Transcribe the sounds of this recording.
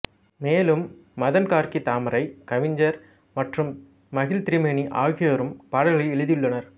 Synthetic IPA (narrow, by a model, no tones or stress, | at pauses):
meːlɯmːɐðɐnkaːɾkit̪aːmɐɾɐɪkɐʋɪɲd͡ʒɐɾ | mɐʈrɯmː | ɐɣɪlt̪ɪɾɪmɐniʔa̰ːɣɪjɐɾɯmpaːɽɐlɣɐɭɐɛɻɯðɪjɯɭːɐnɐɾ